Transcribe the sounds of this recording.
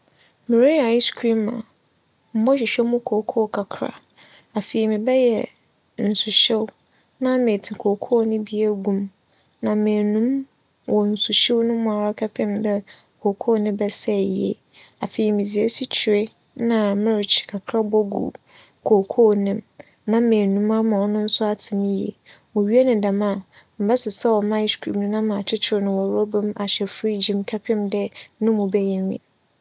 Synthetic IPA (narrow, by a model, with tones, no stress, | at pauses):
mɪ̃˨ɾi˦a˨i˦skʰĩ˦mã̰˨ | m̩˦bɔ˦ɕᶣɪ˨ɕᶣɛ˦mʊ̃˦kʰoː˨kʰo˦˨kʰa˨kʰɾa̰˨ | a˨fi˨i˨mɪ̃˨bɛ˦jɛ˨ | n̩˨su˨ɕɪ˦w | nã˦mẽ˨tʰi˨kʰo˨kʰo˦˨nɪ̃˦bi˦a˦ɡũ˦m | nã˨mɪ̃˨nũ˦m | wɔ˨n̩˨su˨ɕɪ˦wnʊ̃˦mʊ̃˨a˨ɾa˦kʰa˦pɪ̃˦mdɛ˦ | kʰo˨kʰo˦˨nɪ̃˦bɛ˦sɛ˦˨ji˨˦ḛ˦˨ | a˨fe˨i˨mĩ˨zi˨e˦si˦t͡ɕʰi˨e˦ | nã˨mɪ̃˦ɾɪ˨t͡ʃʰkʰa˨kʰɾa˦bɔ˦ɡṵ˨ | kʰo˨kʰo˦nɪ̃˦m | nã˦mẽ˨nũ˦ma˦mã˨ɔ˨nʊ̃˦n̩˦sʊ˦a˦tʰɪ˨nɪ̃˦jḛ˨ | mʊ̃˨ɥi˦e˦nɪ̃˨da˨mã˦˨ | m̩˨bɛ˦sɪ˨sɛ˦wɔ˨mã˦skʰḭ˨bnʊ̃˦nã˦mã˨t͡ɕʰɪ˦t͡ɕʰɪ˨ɾnʊ̃˨wɔ˨ɾɔ˦bʊ̃˦ma˨ɕɛ˨fi˦d͡ʑĩ˨mkʰa˦pʰɪ̃˦mdɛ˦nʊ̃˦mʊ̃˨bɛ˦jĩ˨mḭ̃˨